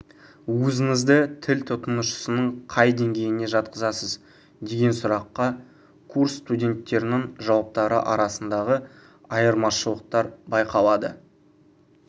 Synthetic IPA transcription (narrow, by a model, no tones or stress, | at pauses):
wɵzɪŋɪzd̪ɪt̪ʰɪlʲt̪ʰʊt̪ənəʃə̥sənəɴqʰɑjd̪e̞ŋɡʲe̞jɪne̞ʒɑt̪̚qəzɑsəz | d̪e̞ɡʲe̞nsʊɾɑqːɑ | kʰursːt̪udʲe̞nt̪ːe̞ɾɪnɪŋʒɑwɑp̚t̪ɑɾə̰ʔɑ̰ɾɑsənd̪ɑʁə | ɑjəɾmɑʃəlˠəq̚t̪ɑɾbɑjqʰɑlˠɑd̪ə̰